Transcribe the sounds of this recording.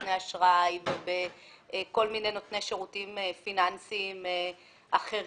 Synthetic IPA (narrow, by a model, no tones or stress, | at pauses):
tneaʃʁajvebeko̞lmine̞jno̞tnejʃeʁutimefinansime | ʔaχe̞ʁ